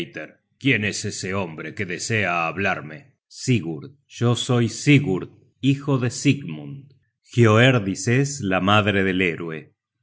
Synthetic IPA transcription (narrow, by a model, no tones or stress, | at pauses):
jt̪eɾ | kje̞neseseombɾekeðeseaːβlaɾme | siɣuɾ | ʒ̥oso̞jsiɣuɾð | ixoðesiɣmun | xjoeɾðiseslamaðɾeðe̞leɾwe̞